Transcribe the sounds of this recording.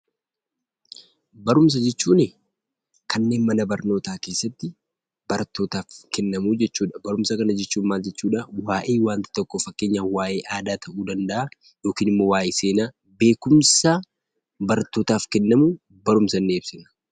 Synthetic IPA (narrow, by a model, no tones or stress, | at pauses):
bɐɾʊms̬ɐd͡ʒɛt͡ʃːuːnɪ | kɐnːe̞ːnmɐnɐbɐɾno̞ːt̪aːke̞ːsːɐt̪ːɪ | b̥ɐɾɐt̪ːo̞ːt̪aːfkɛnːɐmuːd͡ʒɛt͡ʃːuːᶑɐbɐɾʊmsɐkɐnɐd͡ʒɛt͡ʃːuːnmaːld͡ʒɛt͡ʃːuːᶑɐwaːʔe̞ːwaːnt̪ɪ̥t̪ɔkːofɐkːe̞ːɲːawaːʔe̞ːʔaːd̪aːt̪ʰɐʔuːd̪ɐnd̪ɐʔa | jo̞ːkiːnɪmːo̞ːwaːʔeːse̞ːnaː | be̞ːkʊmsaː | bɐɾɐt̪ːo̞ːt̪aːfkɛnːɐmuː | bɐɾʊmsɐnːeːɪbsɪnɐ̥